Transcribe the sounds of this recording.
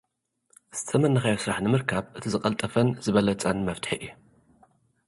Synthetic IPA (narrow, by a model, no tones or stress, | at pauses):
z̥ɨ̥t̪ʰɐmɐnːɐxɐjosɾaħnɨmɨɾkʰaβʔɨt̪ʰizɨqʼɐlt̪ʼɐfɐnzɨβɐlɐt͡sʼɐnmɐft̪ʰħiʔɨju